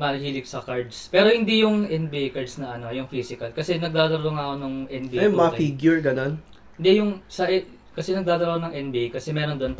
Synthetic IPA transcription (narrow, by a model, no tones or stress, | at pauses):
mɐlɪhiːlɪk̚sɐkaɹd̪spɛːɾo̞hɪnd̪ijʊŋʔɛn̚bɛjkɐɹd̪snɐʔɐno̞jʊŋfisɪkɐlkɐsɛnɐɡ̚d̪aːd̪ɐloŋɐkonoŋʔɛnbijmɐfiɡjʊɹɡɐnon | hɪnd̪ɛjʊŋsɐʔɛ | kɐsɛnɐɡ̚d̪aːd̪ɐlonɐŋʔɛnbikɐsɛmɛːɾond̪oonp